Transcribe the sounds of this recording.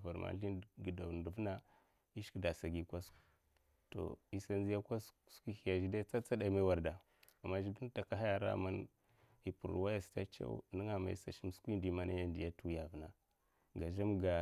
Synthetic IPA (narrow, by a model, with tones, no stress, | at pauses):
va˨ɾma̰˨ɬi˦n˨ɡi˨da˨n˨du˨vna˦ | i˦ʃda˨sa˨ɡi˨kʷa˦sk | to̰˨i˦sa˦nzi˦ja˦kʷa˦sskʷi˦xi˨ja˨ʒi˦da˦t͡sa˦t͡sa˦da˨i˨ma˦wa˨ɾda˨ | a˨mːa˦ʒi˦ɡi˦n˦ta˨ka˦ɦa˦ja˨ɾa̰˦˨ma˦n | i˨pu˨ɾwa˦ja˨sta̰˦t͡ʃa̰˦ṵ˦ni˦ŋa˨ma̰˨ḭ˦sa˨ʃi˦m˦skʷi˦ndi˨˦ma˦na˦ja˦ndi˨ja˦tu˦ja˨vna˨ | ɡa˨ʒa˦mɡa˨